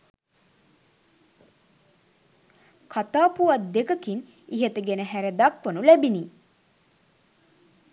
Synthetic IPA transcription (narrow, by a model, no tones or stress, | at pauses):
kʰat̪aːpuʋɐt̪̚d̪ekəkin | iɦet̪əɡenəɦæɾed̪akʋənulɛbini